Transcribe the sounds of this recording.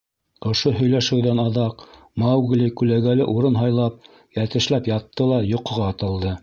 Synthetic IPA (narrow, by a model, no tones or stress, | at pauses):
ŏʃoɦɵ̆jlæʃɘ̆wðænɑðɑq | mɑwɡlʲikʉlæɡælɘʔuɾɤnɦɑjlˠɑp̚ | jæt̪ɘ̆ʃlæpjɑt̪ʰːɤlˠɑjŏqŏʁɑːt̪ɤ̆lˠd̪ɤ